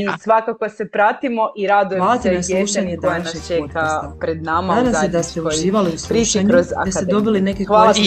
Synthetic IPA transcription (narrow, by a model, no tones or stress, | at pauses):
sʋakakosepɾat̪imoʔiɾad̪ujʋaːlˠat̪enasˠuːʃaɲned̪ajaʃet̪aespɾed̪namaad̪amsed̪ast̪euʒiːʋaliuslːiʃɲɲd̪ast̪ed̪obiline̞keal